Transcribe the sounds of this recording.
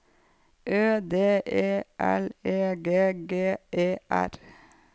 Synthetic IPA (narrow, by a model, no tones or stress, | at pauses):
ʔøːd̪eːʔeːʔæleːɡeːɡeːeːʔæ̰ɾ